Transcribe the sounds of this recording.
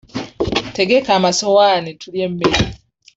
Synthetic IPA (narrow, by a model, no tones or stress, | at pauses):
te̞ɡe̞kaːmasowanitʰuljemːeɾi